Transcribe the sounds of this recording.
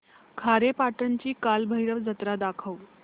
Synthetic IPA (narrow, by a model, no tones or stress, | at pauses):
kʰaɾepaʈənt͡ɕiːkalbʱəjɾəʋd͡zət̪ɾad̪akʰəw